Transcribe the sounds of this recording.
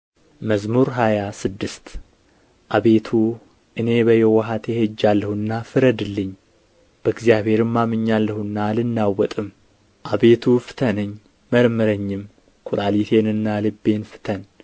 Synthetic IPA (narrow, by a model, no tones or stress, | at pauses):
məzmuɾɦajasɨd̪ːɨst̪ | ʔaβe̞t̪ʰu | ʔɨne̞bəjɛwɔɦat̪jɛhed͡ʒːalːəhuɨnːafɨɾəd̪ɨlːɨɲː | b̥əɨɡzijaβhe̞ɾɨmːamɨɲːalːəhɨnːalɨnːawːɔt̪ʼɨm | ʔaβe̞t̪ʰufɨ̥t̪ʰənɨɲː | məɾmɨɾəɲːɪm | kʰuɾalit̪ʰe̞nɨnːalɨbːe̞nfɨ̥t̪ʰən